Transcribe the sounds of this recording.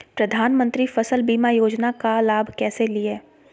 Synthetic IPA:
pɾɐd̪ʱaːnmə̃nt̪ɾifɐsəlbiːmajoːd͡ʒnakalaːbʱkɛːselieː

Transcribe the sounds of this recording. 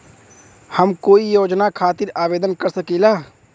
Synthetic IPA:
hɐmkoːijoːd͡ʒnakʰaːt̪ɪɾaːʋeːd̪ənkəɾsəkeːlaː

